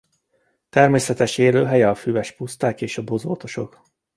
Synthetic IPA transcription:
t̪ɛrmeːsɛt̪ɛʃeːløːɦɛjɛɒfyvɛʃpust̪aːkeːʃɒbo̞zo̰ːt̪o̞ʃo̞k

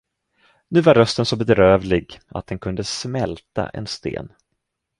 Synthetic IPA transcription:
nʉ̟ːvaɾːœst̪ənsɔbɛd̪ɾøːvlɪɡa̰t̪̚d̪ɛnkʰɵnd̪əsmɛlt̪a̰ʔɛ̰nst̪ḛːn

